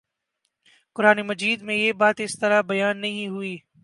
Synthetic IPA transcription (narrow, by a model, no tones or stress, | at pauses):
kʊɾaːnemɐd͡ʒiːd̪mẽjeːbaːt̪ɪst̪ɐɾabɐjaːnːɐɦĩɦʊiː